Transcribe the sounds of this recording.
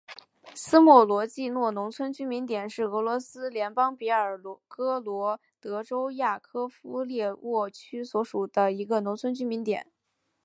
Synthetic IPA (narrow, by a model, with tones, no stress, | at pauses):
sɹ̩˥mwɔ˥˩lwɔ˧˥t͡ɕi˥˧nwɔ˥˩nʊ˧˥ŋt͡sʰwə˥nt͡ɕy˥mi˧˥nt̪jɛ˨˩nʂɻ̩˥˩ɤ˧˥lwɔ˧˥sɹ̩˥ljɛ˧˥npɑ˥ŋpi˧˥ə˞˨˩kɤ˥lwɔ˧˥ | t̪ɤ˧˥ʈ͡ʂo˥ʊja˥˩kʰɤ˥fu˥ljɛ˥˧wɔ˥˩t͡ɕʰy˥swɔ˧˥ʂu˨˩d̪ə˦i˧˥ɡə˧nʊ˧˥ŋt͡sʰwə˥nt͡ɕy˥mi˧˥nt̪jɛ̰˨˩˦n